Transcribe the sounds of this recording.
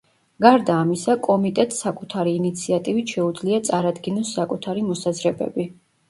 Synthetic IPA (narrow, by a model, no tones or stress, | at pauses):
ɡ̥aɾd̪aːmisakʼɔmit̪ʼɛt̪ʼsakʼut̪ʰaɾiːnit̪sʰiat̪ʼivit̪ʃɛud̪zliat̪sʼaɾad̪ɡinɔsːakʼut̪ʰaɾimɔsazɾɛbɛ̰bi